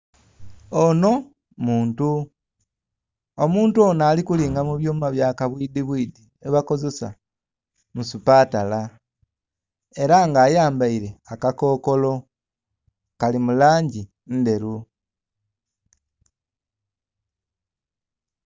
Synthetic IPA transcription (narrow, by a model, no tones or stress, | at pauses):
ono̞ | muːntu | omuːntuoːnaːlikuliːŋɡamuβjoːmmaβjaːkaβwiːdiβwiːdi | eβako̞ze̞sa̰ | musupaːtala | e̞ɾaŋɡaːjaːmbaiɾe̞akako̞ːko̞lo̞ | kalimulaːɲɟi | nde̞ɾu